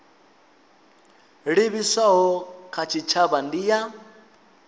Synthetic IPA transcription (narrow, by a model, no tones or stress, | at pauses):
ɺiβisaɦɔkʰat͡ʃʰit͡ʃʰaβandiːja